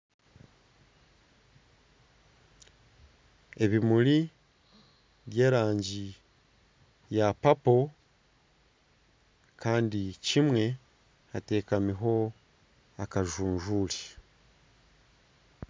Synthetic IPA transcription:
e̞βimuli | βje̞ːɾaːɲɟi | japapo̞ | kaːndicimwe̞ | hate̞ːkamiɦo̞ | akaʒuːɲʒuːli

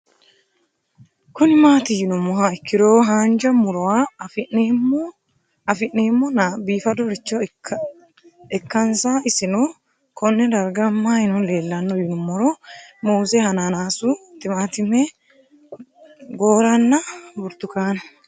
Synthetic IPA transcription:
kʊnɪmaːt̪ɪjɪnʊmːɔɦaɪkːɪɾoːɦaːnd͡ʒɐmʊɾɔwa | ɐfɪnːeːmːɔnɐbiːfɐd̪ɔɾɪt͡ʃːɔ | ɛkːɐnsaːɪsɪnɔ | kʰɔnːɛd̪ɐɾɡɐmːajɪnɔle̞ːlːɐnːɔjɪnʊmːɔɾɔmoːzɛhɐnanaːsut̪ɪmaːt̪ɪmɛ | ɡoːɾɐnːɐbʊɾt̪ʊkaːnɐ

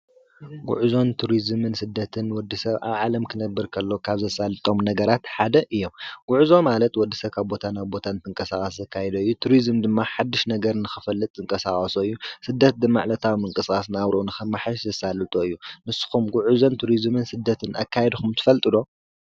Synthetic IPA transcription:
ɡṵʕuzo̞nt̪ʰuɾizmɨnsɨd̪ːɐt̪ʰɨnwɔd̪ːɨsɐβʔa̰βʕalɐmkʰɨnɐbːɨɾkʰɐlːo̞kʰaβzɐsalːɨt̪ʼo̞mnɐɡɐɾat̪ħad̪ɐʔɨjːo̞mɡ̥uʕuzo̞malɐt̪wɔd̪ːisɐβkʰaβbo̞t̪ʰanaβbo̞t̪ʰant̪ʰɨŋkʼɐsaχʼasɐkʰajɛd̪oɨjːut̪ʰuɾizmd̪ɨmːaħad̪ːɨʃnɐɡɐɾnɨxɨfɐlːɨt̪ʼzɨŋkʼɐsaχʼɐsoɨjːusɨd̪ːɐt̪̚d̪ɨmːa̰ʕlɐt̪ʰawmɨŋkʼɨsxʼasnaβɾʔonɨxɨmaħɨʃzɐsalːɨt̪ʼoɨjːumɨsːɨ̥xumɡuʕuzo̞nt̪ʰuɾizmɨnsɨd̪ːɐt̪ʰɨnʔa̰kʰːajɛd̪xumt̪ʰɨ̥fɐlt̪ʼɨd̪o̞

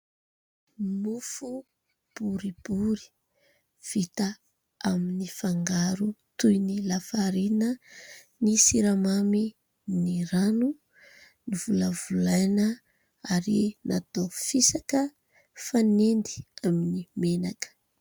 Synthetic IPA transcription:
mufu | b̥uɾib̥uɾi̥ | v̥it̪a | aminifaŋɡaɾut̪ujnilafaɾinə | nisiɾamami | niɾanu | nivulavulajnə | aɾinat̪ofisakə | fanend̪i̥aminimenakə̥

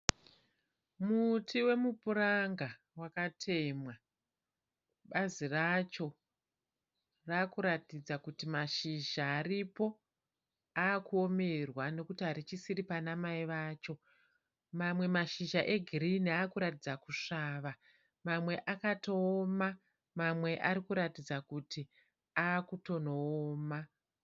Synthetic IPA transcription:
mutʰiwe̞mupuraŋɡa | wakatʰe̞mwa | ɓazirat͡ʃo̞ | raːkuɾatid͡zakutimaʃiʒaːɾipo̞ | aːkuo̞me̞rwano̞kutiɦaɾit͡ʃisiripanamaiʋaːt͡ʃo̞ | mamwe̞maʃiʒaʔe̞ɡʱiriniaːkuɾatid͡zakuʂaːʋa | mamwe̞ʔakato̞ːma | mamwe̞ʔaɾikuɾatid͡zakuti | aːkuto̞noːma

